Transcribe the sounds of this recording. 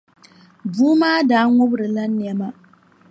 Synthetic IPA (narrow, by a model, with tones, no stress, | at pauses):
buː˦maː˦daː˦ŋʊ˦bɾɨ˨la˦nː˨ɛ˦ma˦